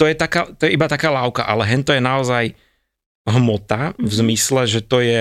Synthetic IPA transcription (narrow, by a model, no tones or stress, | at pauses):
t̪ɔjɛt̪akaːt̪ɔjɛibat̪akaːlaʊka̰ʔalɛɦɛɲt̪ɔjɛnaɔzaj | ɦmɔt̪avzmislɛʒɛt̪ɔjɛ